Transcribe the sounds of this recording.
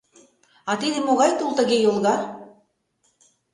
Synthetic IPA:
ɑt̪id̪ɘ̆moɣɑjt̪ulˠt̪ɤ̆ɣejolˠɣɑ

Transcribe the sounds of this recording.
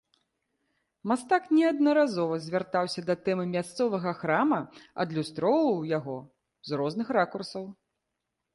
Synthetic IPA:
mast̪aknʲɛɐd̪̚nɐɾazɔvɐzʲvʲart̪awsʲɐd̪ɐt̪ɛmɨmʲast̪sɔvɐɣɐxɾamɐɐ̰d̪lʲust̪ɾɔvɐwjaɣɔ | zrɔznɨxrakursɐw

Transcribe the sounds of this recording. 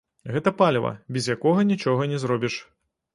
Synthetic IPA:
ɣɛt̪ɐpalʲvɐ̰bʲɛzjakɔɣɐnʲit͡ʂɔɣɐnʲɛzɾɔbʲiʂ

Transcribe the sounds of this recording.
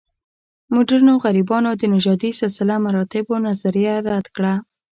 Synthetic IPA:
mʊɖaɾnoɣaɾibɑnod̪ənɪʒɑd̪isɪlsɪlamaɾɑt̪ɪbonazaɾijaɾad̪kɽa

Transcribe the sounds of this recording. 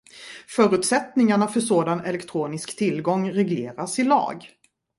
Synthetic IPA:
fœːɾʉ̟t̪sɛt̪nɪŋaɳafœʂoːd̪anɛlɛkt̪ʰɾuːnɪskt̪ʰɪlɡɔŋːɾɛɡleːɾasɪlɑ̰ːɡ

